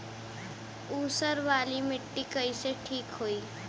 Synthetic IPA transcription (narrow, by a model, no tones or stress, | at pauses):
uːsəɾʋaːlimɪʈːikəjseʈʰiːkɦoiː